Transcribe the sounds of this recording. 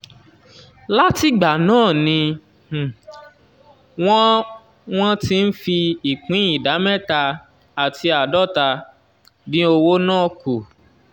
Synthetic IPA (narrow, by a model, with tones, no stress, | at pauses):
la˦ti˦ɡ͡ba˨nãː˦˨nĩ˧˨ | w̃ɔ̃˦ | w̃ɔ̃˦ti˧n̩˦fi˧i˨k͡pĩ˨˦i˦˨da˨˦mɛ˦ta˧ | a˨tʰi˧a˨dɔ˦˨ta˧ | nĩ˦o˧wo˦nãː˦˨ku˨